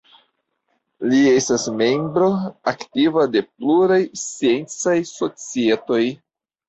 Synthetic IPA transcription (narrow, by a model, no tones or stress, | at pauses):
lie̞stasme̞mbɾo̞aktivade̞pluɾajsie̞nt͡sajso̞t͡sie̞to̞j